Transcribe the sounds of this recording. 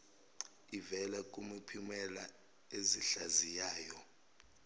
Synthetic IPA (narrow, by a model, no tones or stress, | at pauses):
ivɛlakʼumapʰimɛla | eziɬazijaːjɔ